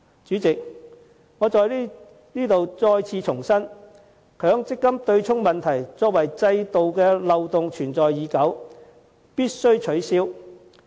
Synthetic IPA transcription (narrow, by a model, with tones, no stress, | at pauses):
t͡ʃyː˨˥t͡sɪ˨k̚ | ŋɔː˨˧t͡sɔː˨ji˥ | niː˥t̪o˨wt͡sɔː˧jt͡sʰiː˨˧t͡ʃʰʊ˨˩ŋsɐ˥n | kʰœː˨˥ŋt͡sɪ˥kːɐ˥mt̪ɵ˧ɥt͡ʃʰʊ˥ŋmɐ˨nt̪ʰɐ˨˩jt͡sɔː˨˥k̚wɐ˨˩jt͡sɐ˧jt̪o˨wkɛː˧lɐ˨wt̪ʊ˨ŋt͡ʃʰyː˨˩nt͡sɔː˨jːiː˨˧kɐ˨˥w | piː˥t̚sɵ˥ɥt͡ʃʰɵ˨˥ɥsiː˥w